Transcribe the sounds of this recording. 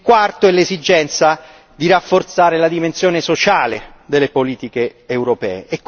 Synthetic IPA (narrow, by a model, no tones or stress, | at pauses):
kwart̪oɛlːezid͡ʒɛnt̪sa | d̪irafːort̪saːɾelad̪imensjoːnesot͡ʃaːled̪elːepoliːt̪ikeːwɾopɛ̰ːeʔekː